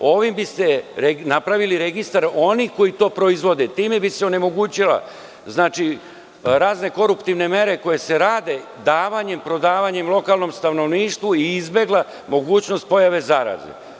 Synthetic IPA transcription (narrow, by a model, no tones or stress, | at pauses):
o̞ʋimbist̪e̞ɾenapɾaʋiliɾe̞ɡist̪aɾo̞nixko̞jit̪o̞ːpɾo̞izʋo̞d̪et̪iːme̞biseo̞ne̞mo̞ɡuːt͡ɕila̰ | znaːt͡ʃi | ɾaːzne̞ko̞ɾupt̪iʋne̞me̞ɾe̞ko̞je̞se̞ɾaːd̪e̞ | d̪aːʋaɲe̞mpɾo̞d̪aːʋaɲe̞mlˠo̞kaːlno̞mst̪ano̞ʋniːʃt̪ʋuiizbe̞ɡlˠa | mo̞ɡuːt͡ɕno̞st̪̚po̞jaʋe̞zaɾa̰zḛ